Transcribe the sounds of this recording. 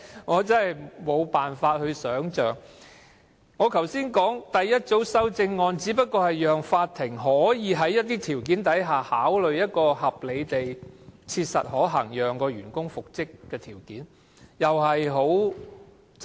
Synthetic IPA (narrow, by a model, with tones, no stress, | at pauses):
ŋɔː˨˧t͡sɐ˥nhɐ˨˩jmo˨˧wpaː˨nfaː˧t̚hɵ˧ɥsœː˨˥ŋt͡ʃœː˨ŋ | ŋɔː˨˧kʰɐ˨˩wsiː˥nkɔː˨˥ŋt̪ɐ˨jːɐ˥t̚t͡so˨˥wsɐ˥wt͡sɪ˧ŋːɔː˧nt͡siː˨˥pɐ˥t̚kːɔː˧hɐ˨jjœː˨ŋfaː˧t̚t̪ʰːɪ˨˩ŋɦɔː˨˥jiː˨˧ɦɐ˨˥jːɐ˥t̚t̪iː˥t̪ʰiː˨˩wk̬iː˨˥nt̪ɐ˨˥jɦaː˨haː˨˥wlɵ˨ɥjɐ˥t̚kɔː˧hɐ˨p̚le˨˧jt̪e˨jt͡sʰiː˧t̚sɐ̰˨t̚hɔː˨˥ɦɐ̰˨˩ŋjœː˨˩ŋkɔː˧jyː˨˩nkʊ˥ŋfʊ˨k̚t͡sɪ˥kːɛː˧t̪ʰiː˨˩wkiː˨˥n | jɐ˨whɐ˨jɦo˨˥w